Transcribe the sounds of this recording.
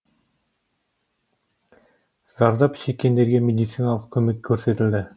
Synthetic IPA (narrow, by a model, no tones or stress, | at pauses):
zɑɾd̪ɑpʃekʲːe̞nd̪e̞ɾɡʲe̞mʲed̪ʲɪt̪sɨjnalˠəq̚kʲʰɵmekʲʰːɵɾse̞t̪ɪld̪ɪ